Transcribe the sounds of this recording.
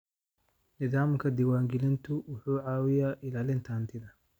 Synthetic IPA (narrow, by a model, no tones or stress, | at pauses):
nɪðaːmkʰɐd̪ɪwaːŋɡɪlɪnt̪ʰʊwʊħuːʕaːwɪjaːʔɪlaːlɪnt̪ʰaːnt̪ʰɪðɐ